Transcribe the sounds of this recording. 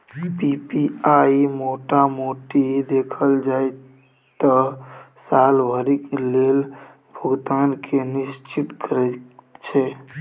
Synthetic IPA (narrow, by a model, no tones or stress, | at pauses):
pipiaːimoːʈamoːʈid̪eːkʰəld͡ʒaːe | t̪ə | saːlbʱəɾikeleːl | bʱəɡt̪aːnkʰenɪʃt͡ʃɪt̪kəɾɛt͡ʃʰe